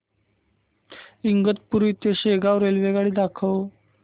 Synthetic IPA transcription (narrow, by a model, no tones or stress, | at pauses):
iŋɡət̪̚puɾʋit̪eɕeɡaʋɾelʋeɡaɭiːd̪akʰəw